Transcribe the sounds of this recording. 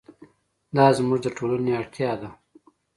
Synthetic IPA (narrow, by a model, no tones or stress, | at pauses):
d̪ɑzmuʐd̪əʈʰolaneaɽt̪ʰjɑd̪a